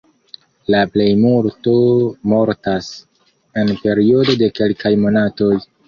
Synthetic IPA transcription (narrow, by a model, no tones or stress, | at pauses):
laple̞jmuɾto̞mo̞ɾtas | e̞npe̞ɾio̞do̞de̞ke̞lkajmo̞nato̞j